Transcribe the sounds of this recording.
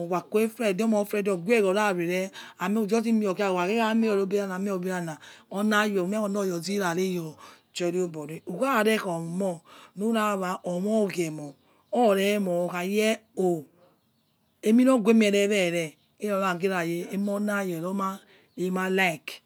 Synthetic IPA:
wʷa˨ko˦e˦fɾɛ˨di˦ɔ˦mɔ˨˦fɾɛ˦˨dɔ˨ɡʷe˦˨ɡɔ˨ɾa˦˨ɾe˨ɾɛ˦a˨me˦u˨d͡ʒɔ˦ti˦mi˦o˨ka˦˨wa˨ke˦a˦me˦ɔ˨ɾo˨˦be˦ɾa˦˨na˨me˦o˨be˦ɾa˦na˨ɔ˦na˦jɔ˨m˦ɛ˦ɔ˨n˦ɔ˦˨jɔ˨zi˦ɾa˨ɾe˦jɔ˨ | t͡ʃɔ˨ɾi˦o˦bɔ˨ɾe˨˦u˨ka˦˨ɾɛ˦kɔ˨mu˨mɔ˦nu˦ɾa˦˨βa˨ʔɔ˨mɔ˦˨ɡɛ˨mɔ˨ | ɔ˦˨ɾɛ˦mɔ˨ka˨jɛ˦o˨ | e˦mi˦nɔ˦˨ɡʷe˦m˦ɛ˨ɾɛ˨˦ɾɛ˦˨ɾɛ˨ | e˦jɔ˨˦a˨ɡe˦ɾa˨je˨e˦mɔ˦na˦˨jɛ˨ɾo˦ma˦ | e˨˦ma˦la˦i˨k

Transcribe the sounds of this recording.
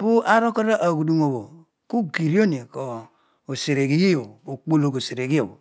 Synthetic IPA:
pu˦ʔa˦ɾo˦ko˦ɾa˦ʔa˨ɡu˨du˨ŋo˨bo˨ | ku˦ɡi˨ɾi˦o˦ni˨ko˨ | o˨se˨ɾe˨ɡi˦ji˦jo˨o˨k͡po˦˨lo˨ko˨se˨ɾe˨ɡi˦jo̰˨bo˨

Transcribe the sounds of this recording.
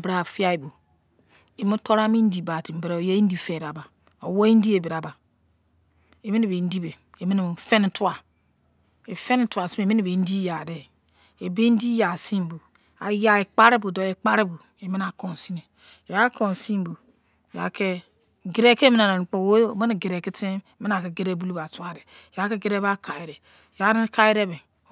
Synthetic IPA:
bɾa˨fi˦a˦i˨bu˨ | e˨mi˦to˦ɾa˦mi˦n̩˦di˨ba˨ti˨m̩˨bi˨ɾe˦˨je˦i˦n̩˦di˦fe˨ɾa˨ba˨ | o˨wo˦i˦n̩˦di˦e˨be˨ɾa˨ba˨ | e˨mi˦e˨be˨n̩˦di˦be˨ | e˨mi˦n˨˦fe˦n˦tu˦a˨ | e˨fe˦n˦tu˦a˨si˦e˨mi˦ne˨be˨n̩˦di˦ja˨de˨ | e˨be˦n̩˦di˦ja˨si˦m˨bu˨ | a̰˨ja˦e˨k͡pa˦ɾe˦bu˨do˨e˨k͡pa˦ɾe˦bu˨ | e˨me˦na˨ko˨n˨si˦ne˨ | ja˦ko˨n˨si˦m˦bu˨ | ja̰˨ke˦ | ɡe˨ɾe˦ke˦me˦na˨ɾa˨k͡po˨wo˦˨me˦n˨ɡe˨ɾe˨ki˦te˦˨me˦n˦a˨ke˨ɡe˦ɾe˦bu˦lu˦ba˨tu˦a˦ɾe˨ja˦ke˦ɡe˦ɾe˦ba˦ka˨i˨ɾe˨ | ja˦n˦ka˦ji˦ɾe˦be˨

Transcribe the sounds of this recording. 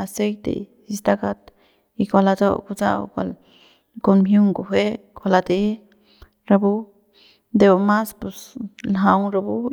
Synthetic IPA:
a˧se˦jt̪ḛ˨si˧st̪a˦ka˧t̪ | i˧kʷa˧la˧t͡so̰˦ku˧t͡sa̰˦w̰kʷa̰˧l | ko˧nmɦju˦ŋɡo˨ɦe˦kʷa˧la˧d̪e˧ | ɾa˧bu˦ | d̪e˧wa˧ma˦spu˧slaɦa˧wɾa˧bu˦

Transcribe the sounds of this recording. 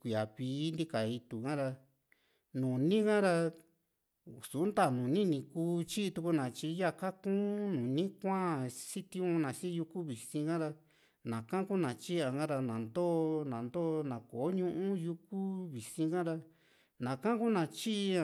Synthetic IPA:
kʷi˨a˨βiː˨˦nd̪i˦ka˨i˧t̪u˨kã˦ɾa˧ | nũ˨nĩ˦kã˦ɾa˧ | su˨˦nt̪a˦˨nũ˨nĩ˦nĩ˧kuː˦t͡ʃi˦˧t̪u˧ku˧nã˨t͡ʃi˧˦ja˦˧ka˦kũː˦nũ˨nĩ˦kʷã˦si˦t̪ĩ˧ũ˧nã˨si˦˧ju˧ku˦βi˨sĩ˧kã˦ɾa˧ | nã˨kã˦ku˦nã˨t͡ʃi˦ã˧ɡã˦ɾa˧nã˨nd̪o˦nã˨nd̪oː˦˧nã˨ko˨˦ɲũ˦ʔũ˦ju˧ku˦βi˨sĩ˧kã˦ɾa˧ | nã˨kã˦ku˦nã˧t͡ʃi˦ʔa˧

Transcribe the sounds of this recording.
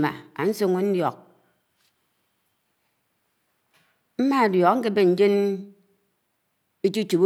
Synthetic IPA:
ma̰˨a̰˨n̩˦so˦ŋo˦n̩˦djɔ˨k̚ | m̩˦ma˦a˨djɔ˨kŋ̩˦ke˦be˦˨n̩˨d͡ʒe˦n | e˦t͡ʃu˦t͡ʃu˨bu˦

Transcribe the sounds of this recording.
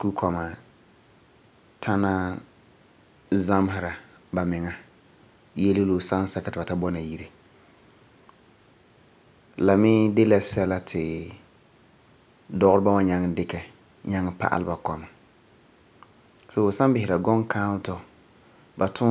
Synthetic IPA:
ku˦kʰɔ˨ma˨ | tʰa˦na˦ | za˦m˦ɦɪ˨ɾa˨ | ba˨mɪ˨ŋa˦ | jɛ˦lɪ˦lo˨sa˦n˦sa˦ka˨˦tɪ˨ba˨ta˦bɔ˦na˨ji˦ɾe˨ | la˨mɪ˦dɪ˦lɛ˦sɛ˦la˦tʰɪ˨ | dɔ˦ɣʊ˦ɾɪ˦ba˦wa˦ɲa˦ŋ˦dɪ˦kɛ˨ | ɲa˦ŋ˦pa̰˦ʔa̰˨lɪ˦ba˨kɔ˨ma˨ | so˨bo˨sa˦mbɪ˨hɪ˨ɾa˨ɡɔ˦ŋkʰaː˦ltɔ˨ | ba˨tʰʊ˦

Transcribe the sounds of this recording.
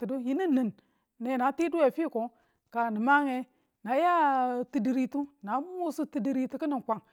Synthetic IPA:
ti˨du˦ji˦ni˦nːi˨nː | e˨na˨˦ti˦du˦we˨fi˦˨ko˨ | ka˨ni˨ma˦ŋe˦ | na˨˦ja˦ti˨di˨ɾi˨tu˦na˨˦m˦u˦su˦ti˨di˨ɾi˦ti˨˦ki˦ni˨kʷa˨ŋ

